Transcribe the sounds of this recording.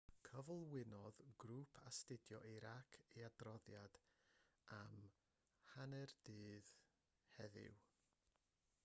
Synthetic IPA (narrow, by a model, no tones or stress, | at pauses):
kʰəvlˠwɪnɔðɡɾuːpʰastɪdjɔʔiɾakʰeadrɔðjad̥ | am | hanɛrd̥ɨːð | hɛðɪ̰w